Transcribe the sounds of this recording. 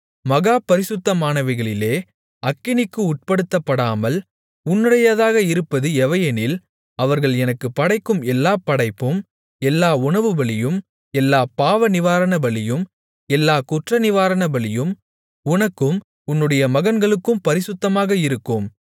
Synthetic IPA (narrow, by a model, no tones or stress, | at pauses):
mɐɣaːpɐɾɪsɯt̪ːɐmaːnɐʋɐɪɣɐɭɪleː | ʔɐkːɪnɪkːɯʊʈ̚pɐɽɯt̪ːɐpːɐɽaːmɐl | ʊnːɯɽɐjɐðaːɣɐɪɾɯpːɐðɯɛʋɐjɐnɪl | ɐʋɐɾɣɐɭɛnɐkːɯpɐɽɐɪkːɯmɛlːaːpɐɽɐɪpːɯm | ɛlːaːʊɳɐʋɯbɐɭɪjɯm | ɛlːaːpaːʋɐnɪʋaːɾɐnɐbɐɭɪjɯm | ɛlːaːkʊʈrɐnɪʋaːɾɐnɐbɐɭɪjɯm | ʊnɐkːɯm | ʊnːɯɽɐjɐmɐɣɐnɡɐɭɯkːɯmpɐɾɪsɯt̪ːɐmaːɣɐɪɾɯkːɯm